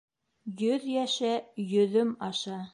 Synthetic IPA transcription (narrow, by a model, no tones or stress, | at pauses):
jɵðjæʃɘjɵ̆ðɵmɑʃɑ